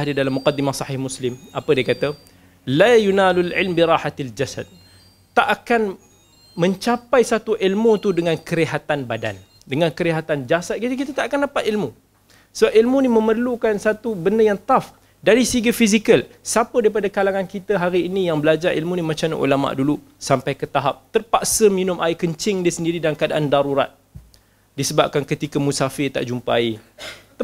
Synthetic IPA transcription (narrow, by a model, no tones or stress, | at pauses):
didalamːuqadːimahsˤɑhɪhmuslɪmʔapədiəkat̪a | lajunalalʕɪlmbiɾɑːħat̪ald͡ʒasa̰d̪̚ | t̪aʔakan | mə̃ɲt͡ʃapajsat̪uʔilmut̪udəŋankəɾiɦat̪anbada̰n | dəŋankəɾiɦat̪and͡ʒasat̪̚kit̪ək̬it̪at̪aʔakandapat̪ilmu | səbap̚ilmunimə̃mərlukansat̪ubəndəjaŋt̪af | daɾisiɡəfizikəlsapədaɾipadakalaŋankit̪aɦaɾiːnijaŋbəlad͡ʒarʔḭlmunimat͡ʃana̰ʔṵlama̰ʔdulu | sampajkət̪aɦap̚t̪ərpaʔsəminʊ̃mʔaikəɲt͡ʃɪŋdiəsəndiɾidankadaʔandaɾuɾa̰t̪̚ | disəbap̚kankət̪ikamũsafɪt̪a̰ʔd͡ʒumpa̰i